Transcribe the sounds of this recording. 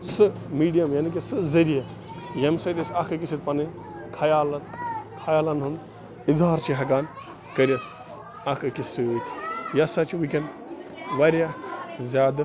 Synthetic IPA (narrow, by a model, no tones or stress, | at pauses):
sɨmiːɖijɐmjaːnik̬esɨzɐɾijɐ | jɐmsɐd̪ɐsɐkʰɨk̬isʰit̪pɐnɨ | kʰɐjaːlɐt̪kʰajaːlɐnɦun | izaːɾt͡ʃʰiɦɐɡaːn | kɐɾʲjɐt̪ʰ | akʰɨkisɨuːt̪ʰjɐsɐt͡ʃʰiwikʲɐn | ʋaɾjazʲaːd̪ɨ